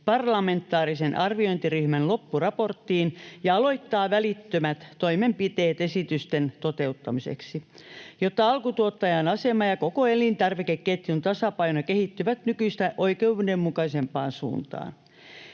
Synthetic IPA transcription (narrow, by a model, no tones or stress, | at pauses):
pɑrlɑment̪ːˑɑːrisenʔɑrʋioint̪iryhmænlopːurɑport̪ːiːnjɑɑloit̪ːɑːʋælit̪ːømæt̪toimempit̪eːt̪esit̪yst̪ent̪ot̪eut̪ːɑmisḛksijot̪ːɑɑlkut̪uot̪ːɑjɑnɑsemɑjɑkokoelint̪ɑrʋikekket̪junt̪ɑsɑpɑinokehit̪ːyʋæt̪nykyist̪æʔoikeudemmukɑisempɑːnsṵːnt̪ɑ̰ːn